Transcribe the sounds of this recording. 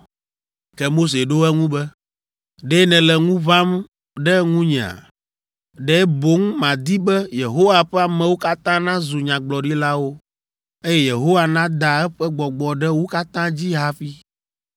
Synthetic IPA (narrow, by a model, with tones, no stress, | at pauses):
kɛ˦mo˦s̬e˨ɖo˦ɛ˦ŋũ˦bɛ˦ | ɖɛ˦nɛ̃˨lɛ˨ŋũ˦βa˦m | ɖɛ˦ŋũ˦ɲɛ̃˨a̰˨ | ɖɛ˦bo˦ŋmã˨d̪i˦bɛ˦je˨ɦo˦wa˨ɸɛ˦a˨mɛ̃˨wo˦ka˦t̪ã˦nã˦zu˨ɲã˨ɡ͡blɔ˨ɖi˦la˦wo˦ | e˦jɛ˦je˨ɦo˦wa˨nã˦d̪a˨ɛ˦ɸɛ˦ɡ͡bɔ˨ɡ͡bɔ˨ɖɛ˦wo˦ka˦t̪ã˦d͡ʑi˦ɦa˦fi˦